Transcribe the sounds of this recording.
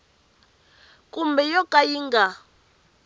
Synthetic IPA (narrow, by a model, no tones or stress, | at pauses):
kʼumbɛjɔkʼajiŋɡa